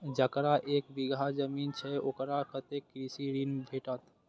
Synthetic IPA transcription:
d͡ʒəkɾaʔekbiɡʱad͡ʒəmint͡ʃʰɛokɾakət̪ekːɾisiɾinbʱeʈət̪

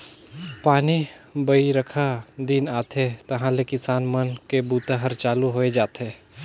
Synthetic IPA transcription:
paːnibɐiɾɐkʰad̪inaːt̪ɦet̪ɐɦãlekɪsaːnmɐnkebuːt̪aɦɐɾt͡ʃaːluɦoːed͡ʒaːt̪eː

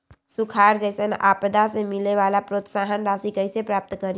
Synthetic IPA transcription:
sukʰaːɾd͡ʒəɪsəna̰ːpd̪asemɪleʋalapɾoːt̪saːɦənɾaːsikəɪsepɾaːp̚t̪kəɾ

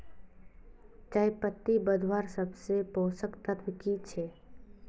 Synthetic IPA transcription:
t͡ʃajpət̪ːibəd̪ʱwaːɾsəbsepoːsəkt̪at̪ʰbɪkit͡ʃʰeː

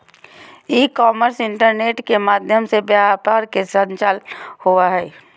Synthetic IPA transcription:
iːkɔːməɾsɪɳʈəɾneːʈkemaːd̪ʱjəmsebjapaːɾkesə̃nt͡ʃaːlhuaɦɛː

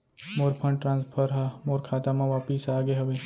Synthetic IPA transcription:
moːɾpʰə̃ɳɖʈɾãːnspʰəɾɦamoːɾkʰaːt̪amãʋaːpisaːɡeɦɐʋe

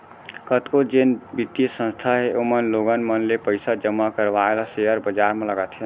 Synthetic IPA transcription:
kət̪kod͡ʒenbit̪ːijəsə̃nst̪ʰaɦeʔomənloɡənmənlepəjsad͡ʒəmːakəɾβaelaseɦəɾbəd͡ʒaɾmẽləɡət̪ɦen

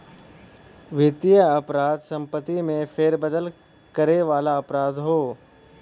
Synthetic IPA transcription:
ʋɪt̪ijəɐpɾaːd̪sɐ̃mpət̪ːimẽfʰeːɾbəd̪əl | kəɾeʋaːlaɐpɾaːd̪ɦoː

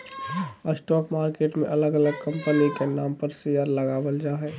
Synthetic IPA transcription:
əsʈɔːkmaːɾkeːʈmẽʔɐləɡɐləɡ̚kɐ̃mpənikenaːmpəɾsɪjaːɾlɐɡaːʋəld͡ʒaːɦɛː

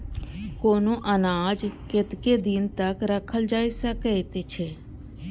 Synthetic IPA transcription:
koːnõːʔənaːd͡ʒkɪt̪ked̪ɪnt̪əkɾəkʰːəld͡ʒaːisəkəit̪et͡ʃʰeː

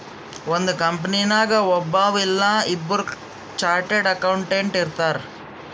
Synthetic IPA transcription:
ond̪ukɐmp̬ɐnijnaːɡɐɔbːaːʋilːɐibːɐɾu | t͡ʃaːɾʈeɖɐkɐwɳʈeɳʈiɾt̪aːɾ

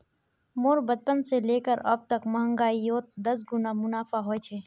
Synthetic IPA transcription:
moːɾbəd̪̚pənseleːkəɾɐb̚t̪əkmɐɦə̃ŋɡaːijoːt̪̚d̪ɐsɡʊnamʊnaːfaɦoːet͡ʃʰeː

